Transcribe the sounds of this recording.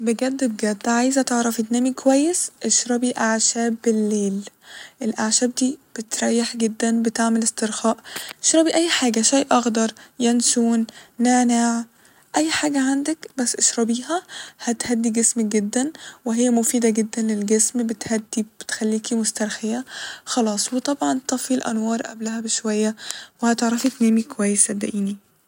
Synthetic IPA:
beɡæd̪ːebɡæd̪ːʕajzæt̪eʕɾˤɑfed̪næːmikowæjːesʔeʃɾˤɑbiʔaʕʃæːbelːeːlʔelʔaʕʃæːb̚d̪iːb̥et̪ɾˤɑjːeħɡed̪ːænbet̪eʕmelest̪eɾxɑːʔʔeʃɾˤɑbiʔæjːħaːɡæʃæjʔɑɣd̪ɑɾˤjænʃuːnːaːnaʕ | ʔæjːħaːɡæʕand̪ækbæsːʔeʃɾˤɑbiːhæhæt̪hæd̪ːiɡesmæɡed̪ːænweɦejːæmofiːd̪æɡed̪ːænlelɡesmbet̪hæd̪ːib̥et̪xælːiːkimost̪æɾˤxejæxɑlɑːsˤwet̪ˤɑbʕɑnt̪ˤɑfilʔæ̰nwɑːɾˤʔæ̰blæhæbeʃwæjːæwehæt̪eʕɾˤɑfit̪næːmikowæjːesæbd̪æ̰ʔiːni

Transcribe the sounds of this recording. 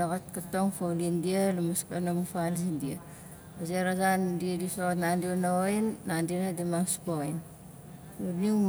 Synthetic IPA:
aɣatkatoŋfawlindialumaskanamufalzindia | azeɾazandiadisoatnandionaojnːandinadimaŋspojn | uniŋ

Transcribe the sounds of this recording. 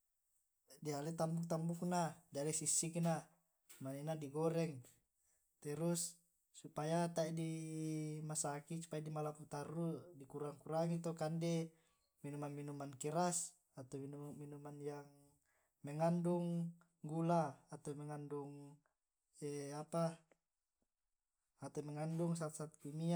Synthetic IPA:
dialet̪ambuk̚t̪ambuk̚nadialesisːikna | maninadiɡɔɾɛŋ | t̪ɛɾusː | upajat̪aidi | masakit͡ʃu̥pajadimalaput̪arːudikuɾaŋkuɾaŋit̪okande | minumanminumankɛɾas | at̪oinuminumanjaŋ | mɛŋanduŋ | ɡulaːt̪omɛŋanduŋ | ɛapa | at̪omɛŋanduŋs̬at̪sat̪̚kimia

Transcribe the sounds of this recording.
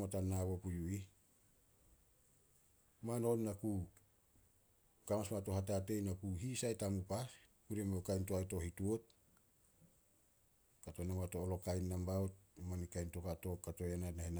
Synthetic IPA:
otanaβopujui | mano̞nːaku | kamasmato̞hat̬ate̞jnakuɦisajtamupaskuɾemekajntoajto̞hituot̚ | kato̞namatoːlo̞kajnːambaot̚manikajnto̞kato̞kato̞janatnahina

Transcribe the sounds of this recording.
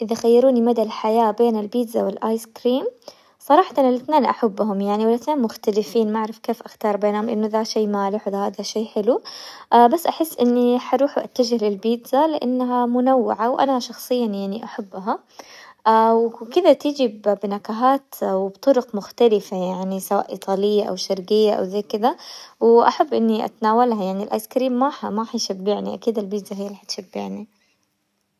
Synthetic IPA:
ʔɪðaxajːɑɾuːnimad̪alħajaːbeːnɪlbiːd̪zawɪlʔaːjskɾiːm | sˤɑɾˤɑːħat̪anɪlɪθneːnʔa̰ħabːɦʊmjaʕniwɪlɪθneːnmʊxt̪alɪfiːnmaʕɾˤɪfkeːfʔaxt̪ɑːɾˤbeːnhʊmʔɪnːʊðaʃeːmaːlɪħwɪðahaðaʃeːħɪluʔbasːʔaħɪsːʔɪnːiħɑɾuːħuʔa̰t̪ːad͡ʒɪhlɪlbiːd̪zalɪʔa̰nːaɦamʊnawːɪ̰ʕawʔa̰nahaʃɑxsˤɨjːanjaʕniʔaħabːɦa | ʔawkɪd̪at̪ɪd͡ʒibbnakaɦaːt̪wɪbt̪ˤʊɾʊqmʊxt̪alɪfajaʕnisawa̰ːʔḭːt̪ˤʰɑːlɪjːaʔa̰wʃɑɾɡɪjːaʔa̰wzaːkɪd̪awʔa̰ħabːʔɪnːiʔa̰t̪naːwalhajaʕnilʔa̰ːjskɾiːmːaħmaħajʃabːɪʕniʔakiːd̪ɪlbiːd̪zaɦɪjːaliːħat̪ʃɪbːɪʕni

